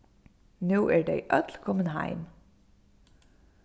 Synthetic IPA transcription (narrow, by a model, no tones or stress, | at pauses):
nuːʔæːɖḛɪʔœt̪ʰlkʰɔmənhɑ̰ɪm